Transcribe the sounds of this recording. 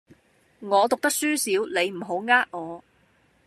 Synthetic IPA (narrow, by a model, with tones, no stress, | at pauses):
ŋɔː˨˧t̪ʊ˨k̚t̪ɐ˥k̚syː˥siː˨˥wle˨˧jm̩˨˩ɦo˨˥wŋaː˥k̚ŋɔː˨˧